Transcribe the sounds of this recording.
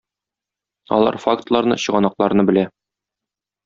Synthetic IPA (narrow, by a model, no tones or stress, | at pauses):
ɒ̰lˠɑ̰ɾfakt̪lˠɑɾnɤ̰ɕɤ̆ʁɑnɑqlˠɑɾnɤbɘ̆læ